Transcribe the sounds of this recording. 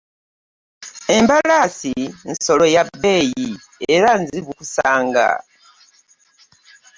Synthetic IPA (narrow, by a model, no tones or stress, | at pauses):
e̞mbalasinso̞lo̞jabe̞ːji | e̞ɾanziβukusaːŋɡa̰